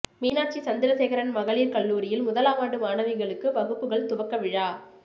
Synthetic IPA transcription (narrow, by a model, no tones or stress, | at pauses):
miːnaːʈ̚t͡ʃːisɐnd̪ɪɾɐsɛːɣɐɾɐnmɐɣɐɭiːɾkɐɭːuːɾɪjɪlmʊðɐlaːʋaːɽɯmaːnɐʋɪɣɐɭɯkːɯpɐɣɯpːɯɣɐɭt̪ʊʋɐkːɐʋɪɻaː